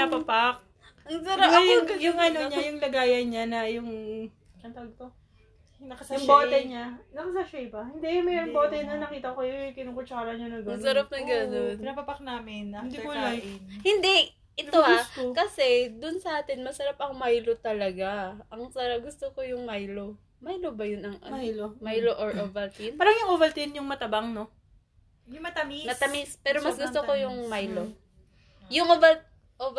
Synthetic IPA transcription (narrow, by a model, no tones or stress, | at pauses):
napɐpak̚ | ʔɐŋsɐɾapɐoɐjʊŋɐnoɲajʊŋlɐɡaːjɐnɲanɐjʊŋ | ɐnt̪ɡ̚t̪o | nɐkɐsʊboːɛɲanɐkɐsɐʃejpɐhɪnd̪ɛjʊŋmɛɾoŋboːt̪ɛnɐnɐkiːt̪ɐkokɐjkɪnukot͡ʃɐkɐlɐɲɐnɐɡɐŋsɐɾap̚nɐɡɐnonnapɐpak̚naːmɪnd̪ilahɪnd̪ɛ | ʔɛt̪oakɐsɛd̪ʊnsɐʔaːt̪ɛnmɐsɐɾapɐŋmajlo̞t̪ɐlɐɡaɐŋsɐɾaɡʊst̪okojʊŋmajlo̞ | majlobɐjʊnɐŋʔɐmajloʔoɹʔovɐlt̪inpaːɾɐŋjʊŋʔovɐlt̪ɪnjʊŋmɐt̪ɐbaŋno | jmɐt̪ɐminɐt̪ɐmispɛːɾomɐsɡʊst̪okojʊŋmajlo̞ | jʊŋʔovɐl | ʔo